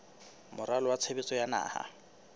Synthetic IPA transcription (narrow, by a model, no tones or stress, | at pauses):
mʊɾalɔwat͡sʰebɪt͡sʼɔjana̰ːha̰